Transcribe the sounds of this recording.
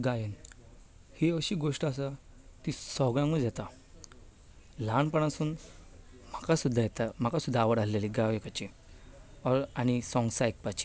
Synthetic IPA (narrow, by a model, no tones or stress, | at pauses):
ɡajən | hiəɕiːɡoʂʈas̬at̪isɔɡɭãŋɡɔd͡zat̪a | lanpəɳ̃ãsuːn | m̤akasud̪ʱːajɛt̪am̤akasud̪ːaːʋəɽalleliɡajekat͡ɕi | ɔɾañisɔ̃ŋɡsaek̚pat͡ɕi̥